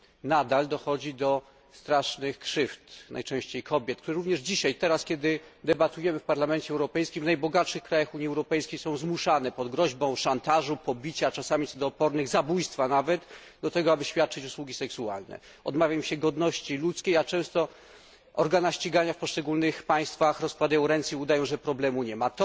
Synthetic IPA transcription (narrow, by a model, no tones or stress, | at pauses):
nad̪ald̪ɔxɔd͡ʑid̪ɔ | st̪ɾaʂnɘxkʂɘft̪nʔa̰jt͡ʂɛ̃ɕt͡ɕejkʰɔbʲjɛt̪̚k̚t̪uɾɛɾuvɲɛʐd͡ʑiɕajt̪ɛɾaskʲɛd̪ɘd̪ɛbat̪ujɛmɘfpaɾlamɛnt͡ɕɛɛwɾɔpɛjskʲimvnajbɔɡat̪ʂɘxkɾajaxuɲiɛwɾɔpɛjskʲejsɔ̃w̃zmuʂanɛpɔd̪ɡɾɔʑbɔ̃w̃ʂant̪aʐupɔbʲit͡ɕat͡ʂasamʲit̪sɔd̪ɔːpɔɾnɘɣzabujst̪fanavɛt̪ | d̪ɔt̪ɛɡɔabɘɕfʲjat̪̚t͡ʂɘt͡ɕuswuɡʲisɛksua̰lnɛ̰ | ɔ̰d̪mavʲjamiɕɛɡɔd̪nɔɕt͡ɕilut̪skʲejat͡ʂɛ̃w̃st̪ɔ | ɔɾɡanaɕt͡ɕiɡaɲafpɔʂt͡ʂɛɡulnɘxpaj̃st̪faxɾɔskwad̪ajɔ̃w̃ɾɛnt̪sʲɛiud̪ajɔ̃w̃ʐɛpɾɔblɛmuɲɛmat̪ɔ